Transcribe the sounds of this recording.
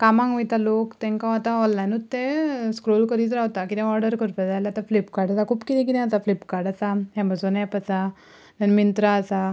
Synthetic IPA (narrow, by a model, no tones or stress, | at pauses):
kamãŋɡʋit̪alokt̪ɛ̃ŋkãat̪ãɔ̃lːajnut̪ːẽskɾolkəɾiːt̪ɾaʋt̪akit̪ɛ̃ɔɾɖəɾkəɾpad͡zajlaat̪aflipkaɾɖasakʰuːpkit̪ĩk̬it̪ɛ̃at̪aflipkaɾɖasaɦɛ̃məsonjapət͡sa | nanmint̪ɾaəsa